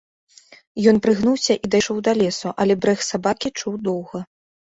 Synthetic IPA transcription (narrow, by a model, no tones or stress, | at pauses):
jɔnpɾɨɣnuwsʲɐʔid̪ajʂɔwd̪ɐlʲɛsuʔɐlʲɛbɾɛxsabakʲit͡ʂuwd̪ɔwɣɐ